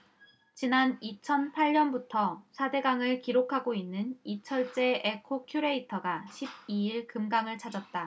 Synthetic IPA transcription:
t͡ɕinanit͡ɕʰʌnpʰaɭɲʌnbutʰʌsʰade̞ɡaŋɯɭkiɾokʰaɡoinːɯnit͡ɕʰʌɭt͡ɕ͈e̞ekʰokʰjuɾe̞itʰʌɡaɕʰib̚iiɭkɯmɡaŋɯɭt͡ɕʰad͡ʑʌt̚t͈a

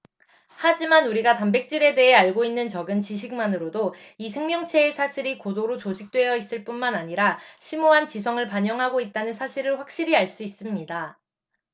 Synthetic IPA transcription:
had͡ʑimanuɾiɡatambe̞k̚t͡ɕ͈iɾe̞de̞ɦe̞aɭɡoinːɯnt͡ɕʌɡɯnt͡ɕiɕʰik̚manɯɾodo | isʰe̞ŋmjʌŋt͡ɕʰe̞ːsʰaɕʰiɾikodoɾot͡ɕod͡ʑik̚t͈we̞jʌis͈ɯɭp͈unmanaɲiɾaɕʰimoɦant͡ɕisʰʌŋɯɭpaɲʌŋɦaɡoit̚t͈anɯnsʰaɕʰiɾɯɭɸwak̚ɕ͈iɾiaɭs͈uis͈ɯmɲida

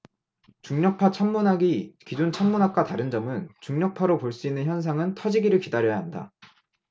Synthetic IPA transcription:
t͡ɕuŋɲʌk̚pʰat͡ɕʰamːunɦaɡikid͡ʑont͡ɕʰamːunɦak̚k͈ataɾɯnd͡ʑʌmɯnt͡ɕuŋɲʌk̚pʰaɾopoɭs͈uinːɯnçjʌns̬ʰaŋɯntʰʌd͡ʑiɡiɾɯɭkidaɾjʌjaɦanda̰

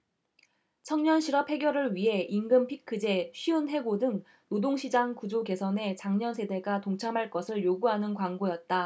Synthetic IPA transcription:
t͡ɕʰʌŋɲʌnɕʰiɾʌphe̞ɡjʌɾɯɭɥiɦe̞ʔinɡɯmpʰikʰɯd͡ʑe̞ɕʰiunɦe̞ɡodɯŋ | nodoŋɕʰid͡ʑaŋkud͡ʑoke̞sʰʌne̞t͡ɕaŋɲʌnsʰe̞de̞ɡatoŋt͡ɕʰamɦaɭk͈ʌsʰɯɭjoɡuɦanɯnkwaŋɡojʌt̚t͈a

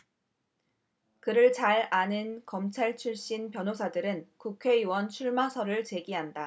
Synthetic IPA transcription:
kɯɾɯɭt͡ɕaɾanɯnkʌmt͡ɕʰaɭt͡ɕʰuɭɕ͈inpjʌnosʰadɯɾɯnkukʰe̞iwʌnt͡ɕʰuɭmasʰʌɾɯɭt͡ɕe̞ɡiɦanda

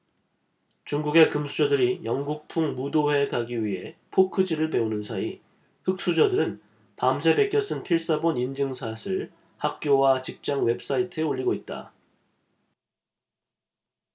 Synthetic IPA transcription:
t͡ɕuŋɡuɡe̞kɯmsʰud͡ʑʌdɯɾijʌŋɡuk̚pʰuŋmudowe̞kaɡiɥiɦe̞pʰokʰɯd͡ʑiɾɯɭpe̞onɯnsʰai | hɯk̚s͈ud͡ʑʌdɯɾɯn | pamsʰe̞be̞k͈jʌs͈ɯnpʰiɭs͈abonind͡ʑɯŋsʰasʰɯɭ | hak̚k͈jowat͡ɕip̚t͡ɕ͈aŋwe̞p̚s͈aitʰɯeoʎːiɡoit̚t͈a̰

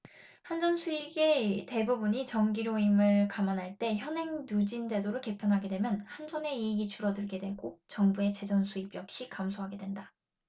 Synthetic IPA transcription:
hand͡ʑʌnsʰuiɡe̞te̞bubuɲit͡ɕʌŋɡiɾoimɯɭkamanɦaɭt͈e̞çjʌnɦe̞ŋnud͡ʑinde̞doɾoɭke̞pʰjʌnɦaɡe̞dwe̞mjʌnhand͡ʑʌne̞iːɡit͡ɕuɾʌdɯɭɡe̞dwe̞ɡot͡ɕʌŋbue̞t͡ɕe̞d͡ʑʌnsʰuibjʌk̚ɕ͈ikamsʰoɦaɡe̞dwe̞nda

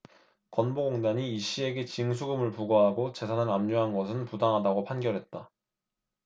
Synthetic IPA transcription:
kʌnboɡoŋdaɲiːɕ͈ie̞ɡe̞t͡ɕiŋsʰuɡɯmɯɭpuɡʌɦaɡot͡ɕe̞sʰanɯnamɲuɦanɡʌsʰɯnpudaŋɦadaɡopʰanɡjʌɾɦe̞t̚t͈a

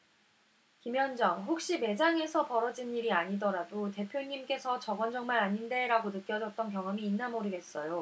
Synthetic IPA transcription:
kimjʌnd͡ʑʌŋɦɸok̚ɕ͈ime̞d͡ʑaŋe̞sʰʌpʌɾʌd͡ʑiniɾiaɲidʌɾadote̞pʰjoɲimk͈e̞sʰʌt͡ɕʌɡʌnd͡ʑʌŋmanaɲinde̞ɾaɡonɯk̚k͈jʌd͡ʑʌt̚t͈ʌnk̬jʌŋɦʌmiːnːamoɾɯɡe̞s͈ʌjo

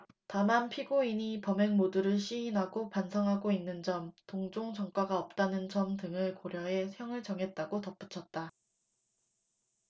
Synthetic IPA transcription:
tamanpʰiɡoiɲipʌmeŋmoduɾɯɭɕ͈iinɦaɡopansʰʌŋɦaɡoinːɯnd͡ʑʌmtoŋd͡ʑoŋd͡ʑʌŋk͈aɡaʌp̚t͈anɯnd͡ʑʌmtɯŋɯɭkoɾjʌɦe̞hjʌŋɯɭt͡ɕʌŋɦe̞t̚t͈aɡotʌp͈ut͡ɕʰʌt̚t͈a

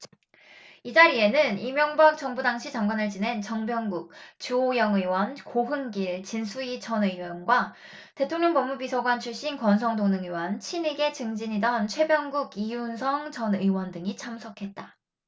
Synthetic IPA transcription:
id͡ʑaɾie̞nɯnimjʌŋbak̚t͡ɕʌŋbudaŋɕʰit͡ɕaŋɡwanɯɭt͡ɕine̞nt͡ɕʌŋbjʌŋɡuk̚t͡ɕuojʌŋɯiwʌnkoɦɯnɡiɭt͡ɕinsʰuit͡ɕʰʌnɯwʌnɡwa | te̞tʰoŋɲjʌŋpʌmːubisʰʌɡwant͡ɕʰuɭɕ͈inkwʌns̬ʰʌŋdoŋnɯŋɯwʌnt͡ɕʰiniɡe̞t͡ɕɯŋd͡ʑiɲidʌnt͡ɕʰwebjʌŋɡuɡijunsʰʌŋt͡ɕʌnɯiwʌndɯŋit͡ɕʰamsʰʌkʰe̞t̚t͈a

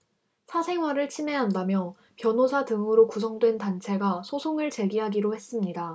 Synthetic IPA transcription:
sʰasʰe̞ŋwaɾɯɭt͡ɕʰime̞ɦandamjʌ | pjʌnosʰatɯŋɯɾokusʰʌŋdwe̞ntant͡ɕʰe̞ɡasʰosʰoŋɯɭt͡ɕe̞ɡiɦaɡiɾohe̞s͈ɯmɲida

